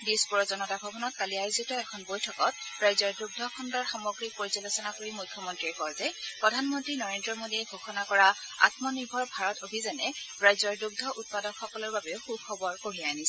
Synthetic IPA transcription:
dispuɹɔzɔnɔtabʱɔbɔnɔt̚kaliajuzitɔɛkʰɔnbojtʰɔkɔt̚ɹajzɔɹduɡ̚dʱɔkʰɔndɔɹxamɔɡɹik̚poɹisalosɔnakoɹimujkʰːɔmɔntɹiɛkɔɹtɛpɹɔdʱanmɔntɹinɔɹendɹɔmodiɛɡʱoxʰɔnakɔɹa | a̰tmɔniɹbʱɔɹbʱaɹɔtobʱizanɛ | ɹajzɔɹduɡ̚dʱɔʔut̚padɔnxɔkɔlɔɹbabɛʊxukʰɔbɔɹkoɹianisɛ

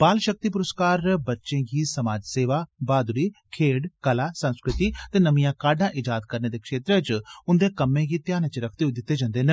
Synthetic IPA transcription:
paːlʃək̚t̪iːp̬ʊɾəskaːɾbətːʃẽːɡiːsəmaːd͡ʒseːʋaːbaːd̪liːkʰeːɽkəlaːsə̃nskɾɪt̪iːt̪eːnəmijãːkaːɖãːʔɪd͡ʒaːd̪kəɾneːd̪eːkʃeːt̪ɾet͡ʃʊnd̪eːkəmːẽːɡiːt̪jaːnẽːt͡ʃɾəkʰt̪eːʊiːd̪ɪt̪ːeːd͡ʒãːnd̪eːne

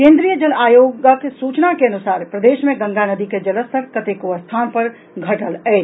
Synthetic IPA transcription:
kẽːnd̪ɾijəd͡ʒɐlaːjoːɡakesuːt͡ʃnakeɐnʊsaːɾpɾɐd̪eːʃmẽɡɐ̃ŋɡanɐd̪iked͡ʒɐləsʰəɾkɐt̪eːkoəst̪ʰaːnpɐɾ | ɡʱɐʈəlɛː

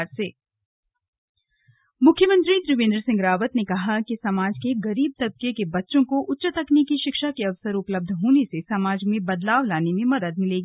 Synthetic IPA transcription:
ɾseː | mʊkʰːjəmə̃nt̪ɾid̪ɾʊʋẽːnd̪ɾəsɪ̃ŋɡɾaːʋət̪nekɐɦakisɐmaːd͡ʒkeɡɐɾiːb̚t̪ɐd̪̚kekebɐtːʃõkoʔʊtːʃət̪əknekiʃɪkʃakeɐʋsəɾʊpləb̚d̪ʱɦoːnesesɐmaːd͡ʒmẽbɐd̪laːʋlaːnemẽmɐd̪əd̪̚mɪleːɡiː

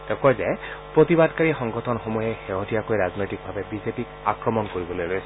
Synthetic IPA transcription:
tɛkɔjzɛpɹotibadkaɹixɔŋɡɔtʰɔnxomɔjɛxeɦotijakojɹaznojtik̚bʱabɛbizepik | akɹɔmɔnkoɹibɔlojlojs

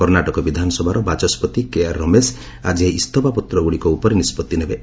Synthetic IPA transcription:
kɔɾnaʈɔkɔbid̪ʱanɔsɔbʱaɾɔbat͡ʃɔspɔt̪ikeaɾːɔmes | ad͡ʒiɦeist̪ɔpapɔt̪ɾɔɡuɽikɔupɔɾenispɔt̪ːinebe

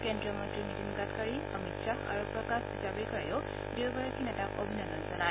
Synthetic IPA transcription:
kendɹɔmɔntɹimitinɡatkaɹi | ɔmitsaa̰ɹupɹɔkasizabejkaɹajʊ | dibaɹakinɛtako̰bʱinɔnɔnzɔnaj

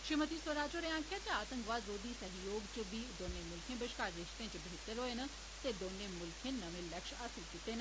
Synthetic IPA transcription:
ʃɾimət̪isʋəɾaːd͡ʒoːɾeãːŋkʰjat͡ʃeaːt̪ə̃ŋkʋaːd̪zoːd̪iːsɐɦjoːɡt͡ʃəbiːd̪oːnemʊlkʰẽːbəʃkaːɾːɪʃt̪ẽːt͡ʃəbʱeːt̪əɾɦoːenɐ | t̪ed̪oːnemʊlkʰẽːnɐʋẽlɐkʃaːsĩkit̪eːnə

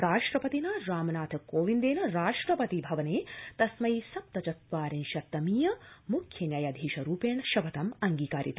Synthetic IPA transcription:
ɾaːʂʈɾɐpɐt̪inɐɾaːmɐnaːt̪ʰɐkoːʋind̪eːnɐɾaːʂʈɾɐpɐt̪ibʱɐʋɐneːt̪ɐsmɐjisɐp̚t̪ɐt͡ʃɐt̪ʋaːɾinʃɐt̪ːɐmiːjɐmukʰjɐnjɐjɐd̪ʱiːʃɐɾuːpeːɳɐʃɐʋɐt̪ɐmɐŋɡiːkaːɾḭt̪

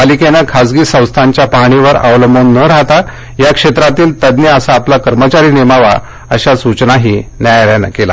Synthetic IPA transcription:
alikenəkʰad͡zɡiːsə̃w̃st̪ʰaɲt͡ɕjapaɽ̃iʋəɾə̰ʋləmbənːəɾaɦt̪a | jakʂet̪ɾat̪iːlt̪əd̪njəəsaːplakəɾmət͡ɕaɾiːnemaʋa̰ | əɕasut͡ɕnaɦiːnjajɾjana̰kela

